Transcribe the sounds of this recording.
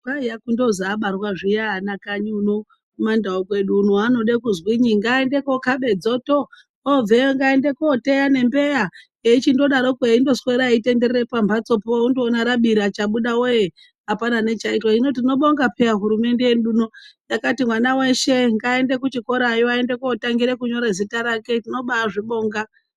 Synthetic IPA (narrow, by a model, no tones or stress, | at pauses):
kaijakundo̞zaɓarwaʐijaanakaɲunu | mandaokwe̞ɗunuano̞ɗekuzwiɲiŋɡaende̞ko̞kaɓe̞d͡zo̞to | ob͡veŋɡaende̞kote̞jane̞mbe̞ja | eit͡ʃindo̞ɗaɾokueindo̞swe̞ɾaite̞nde̞ɾerepambʱat͡so̞pooundoːnaɾaɓiɾiat͡ʃaɓuɗaoje | apanane̞t͡ʃaitwaino̞t̬ino̞ɓoŋɡapeaɦuɾume̞nde̞jenɗunojakatimwanawe̞ʃe̞ŋɡae̞nde̞kut͡ʃiko̞ɾajoaende̞koːtaŋɡiɾekuɲo̞ɾezitaɾake̞tino̞ɓaʐiɓo̞ːŋɡa